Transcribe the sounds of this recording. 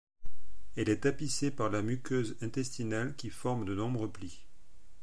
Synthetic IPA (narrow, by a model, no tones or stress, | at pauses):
ɛlɛt̪apisepaʁlamykʲøzɛ̃t̪ɛst̪inalkʲifɔʁmd̪ənɔ̃bʁəpli